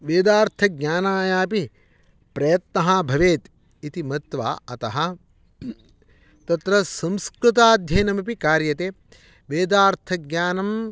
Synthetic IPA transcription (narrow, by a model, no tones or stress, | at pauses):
ʋeːd̪aːɾt̪ʰɐɡɲʲaːnaːjaːpi | pɾɐjɐt̪nɐɦɐbʱɐʋeːt̪ | it̪imɐt̪ʋa̰ːɐt̪ɐɦɐ | t̪ɐt̪ɾɐsɐ̃mskɾut̪̬aːd̪ʱjɐːnɐmɐpikaːɾjɐt̪eː | ʋeːd̪aːɾt̪ʰɐɡɲaːnɐm